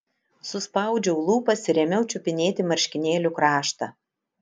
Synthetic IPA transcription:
sʊspɑˑʊd͡ʒʲɛʊlˠuːpɐsʲɪɾʲɛmʲɛʊt͡ʃʲʊpʲɪnʲeːt̪ʲɪmɐɾʲʃʲkʲɪnʲeːlʲʊkɾɑːʃt̪ɐ

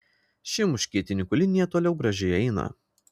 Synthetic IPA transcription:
ʃʲɪmʊʃʲkʲiɛt̪ʲɪnʲɪkʊlʲɪnʲɪjɛt̪oːlʲɛʊɡɾɐʒʲɛɪɛɪnɐ̰

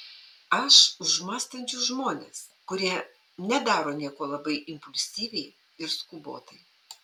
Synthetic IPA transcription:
ɐʃʊʒmɑːst̪ɐnʲt͡ʃʲʊːʒmoːnʲeːskʊɾʲiɛ | nʲɛd̪ɑːɾoːnʲiɛkoːlˠɐbɐɪɪmpʊlʲsʲiːʋʲɛɪ | ɪɾskubo̰ːt̪ɐɪ

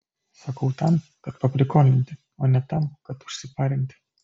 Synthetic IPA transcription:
sɐkɐʊt̪ɐmkɐt̪pɐpʲlʲɪkoːnʲɪnʲt̪ʲɪ | oːnʲɛt̪ɐmkɐt̪ʊ̥ʃʲsʲɪpɑːɾʲɪnʲt̪ʲɪ̥

